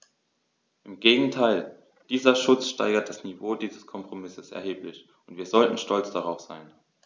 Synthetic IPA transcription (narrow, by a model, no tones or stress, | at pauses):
ʔɪmɡeːɡŋ̩tʰaɪl | d̥iːzɐʃʊt͡sʃta̰ɪɡɐt̚d̥asnivoːdiːzəskʰɔmpʁ̥omɪsəsɛ̰ɐɦeːplɪç | ʊntv̥iːɐzɔltn̩ʃtɔlt͡sd̥aʁ̞aʊfz̥a̰ɪn